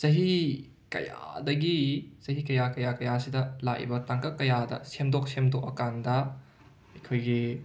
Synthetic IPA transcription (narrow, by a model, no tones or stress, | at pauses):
z̥ɐɦi | kɐ̰ja̰dɐɡizɐɦikɐjakɐjakɐjasidɐlak̚ḭbɐtaŋkɐkːɐjadɐ̰semdok̚semdok̚ɐkandɐ | ɐjkʰojɡi